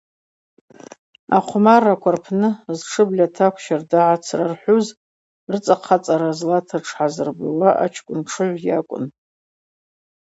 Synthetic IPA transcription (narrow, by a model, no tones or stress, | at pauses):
aqʷʰmarakʷʰarpʰnɨzʈ͡ʂʰɨblʲatʰakʷʰʃardaʕat͡sʰrarħʷuz | rɨt͡sʼaqʰat͡sʼaɾazlatʰaʈ͡ʂʰħazɨrbalaʔa̰t͡ʃʰkʷʼʊnʈ͡ʂʰɨʕʷjakʷʼʊ̰n